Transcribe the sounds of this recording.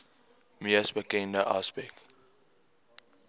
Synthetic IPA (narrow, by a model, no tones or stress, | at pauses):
miəsbəkɛ̃ndəʔaspɛk̚t